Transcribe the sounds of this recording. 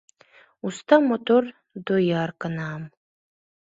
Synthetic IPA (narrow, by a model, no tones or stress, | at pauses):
ustʰamotʰʼor | dojarkʰʼanaːm